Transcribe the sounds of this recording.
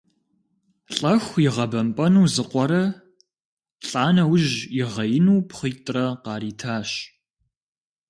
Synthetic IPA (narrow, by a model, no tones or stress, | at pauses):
ɬʼɐxʷjɪʁɐbɐmpʼɐnuːzɨqʷɔɾɐ | ɬʼaːnɐwʊʑjɪʁɐjɪnuːpχiːtʼrɐqɑːɾiːtʰaːɕ